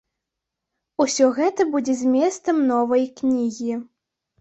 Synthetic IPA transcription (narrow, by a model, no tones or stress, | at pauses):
usʲɔɣɛt̪ɐbud͡zʲɛzʲmʲɛst̪sɐmnɔvɐjknʲiɣʲi